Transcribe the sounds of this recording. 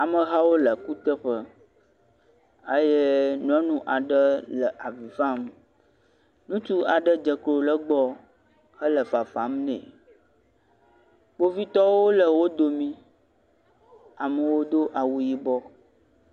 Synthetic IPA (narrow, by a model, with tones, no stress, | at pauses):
a˨mə˨ɦa˦wo˦lə˨ku˦t̪ə˦ɸə˦ | ə˦je˦nũ˨ɛ̃˦nũ˦ʔa˨ɖə˦lə˨ʔa˨vi˨va˦m | nũ˦t͡ʃu˦a˨ɖə˦d͡ʒə˨klo˨lə˦ɡ͡bɔ˦ | hə˦lə˨fa˨fa˨˦mnɛ̰̃˨ | k͡po˦vi˦t̪ɔ˦wo˦lə˨wo˦d̪o˨mĩ˦ | a˨mə˨wo˦d̪o˦ʔa˨wu˨ji˦bɔ˦